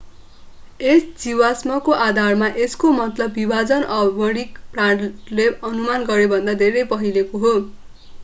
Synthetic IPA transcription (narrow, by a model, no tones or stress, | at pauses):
esd͡ziwasmʌkoʔad̪ʱarmaʔeskomʌt̪lʌbːibʱad͡zʌnʔʌbʌɽikprãʈleʌnumanɡʌɾebʱʌnd̪ad̪ʱeɾʌjpʌɦilekoɦo